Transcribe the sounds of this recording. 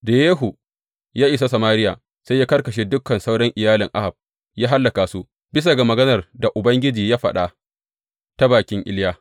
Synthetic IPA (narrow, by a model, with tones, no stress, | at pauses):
da˨jeː˦ɦu˨ | jaː˦ʔɪ˨s̬a˦sɐ˨maː˦ɾɪ˦ja̰˨ | sa˦jaː˦kɐ˦rkɐ˨ʃ̬eː˦dʊ˦kːɐ˨nsa˦wɽɐ˦ŋʔɪ˨jaː˦lɪ˨ŋʔa˦ha˨b̚ | jaː˦ɦa˦lːɐ˨kaː˨su˦ʔ | bɪ˦s̬a˨ɡa˨mɐ˨ɡɐ˦nɐ˨rda˨ʔʊ˨bɐ˦ŋɡʲɪ˦d͡ʒiː˨jaː˦ɸɐ̰˨ɗa˨ | ta˦baː˨kʲɪ˦ŋʔɪ̰˦ljaː˦